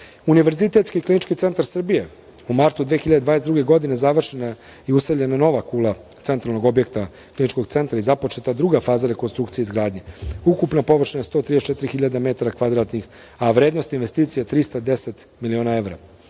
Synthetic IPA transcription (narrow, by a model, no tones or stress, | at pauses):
uniʋe̞ɾzit̪e̞t̪skiklinit͡ʃkit̪se̞nt̪aɾsr̩bije | umaɾt̪ud̪ʋeːxiʎad̪ed̪aːnesd̪ɾuɡe̞ɡo̞d̪inezaʋr̩ʃena | iusavʎe̞nano̞ʋakuːla | t̪se̞nt̪ɾalˠno̞ɡo̞bje̞k̚t̪a | klˠinit͡ʃko̞ɡt̪se̞nt̪ɾaizapo̞t͡ʃe̞t̪ad̪ɾuɡafaːzaɾe̞ko̞nst̪ɾukt̪sijeizɡɾaːd̪ɲe̞ukupnapo̞ʋr̩ʃnajest̪o̞t̪ɾidest͡ʃet̪iɾixiʎad̪ame̞t̪aɾakʋad̪ɾat̪nixaʋɾeːd̪no̞st̪inʋe̞st̪iːt̪sijat̪ɾist̪ad̪e̞set̪ | milio̞ːnae̞ʋɾa̰